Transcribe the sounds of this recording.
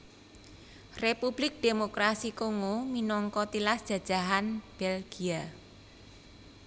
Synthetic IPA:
repub̥lɪk̚d̥emokɾasikoŋominɔŋkɔt̪ilasd̥ʒ̥ä̤d̥ʒ̥a̤ɦanb̥elɡ̥ia

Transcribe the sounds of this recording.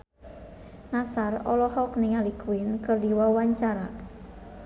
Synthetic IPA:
nasarɔlɔhɔk̚niŋalikuwɪnkərdiwɔwaɲt͡ʃaɾa

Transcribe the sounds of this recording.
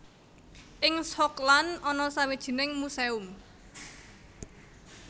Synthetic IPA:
ʔɪŋsɔklanɔnɔsawid̥ʒ̥i̤nɪŋmuseʊm

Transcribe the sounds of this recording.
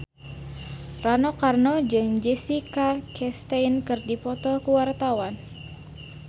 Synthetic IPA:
ranɔkarnɔd͡ʒɨŋd͡ʒɛsikakʰɛst̪ajnkɨrdipɔt̪ɔkuwart̪awan

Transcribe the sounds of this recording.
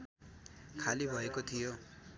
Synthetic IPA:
kʰalibʱɔekot̪ʰijo

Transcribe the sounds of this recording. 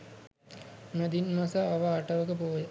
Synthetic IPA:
mæd̪inmasəaʋaːʈəʋəkəpoːjə

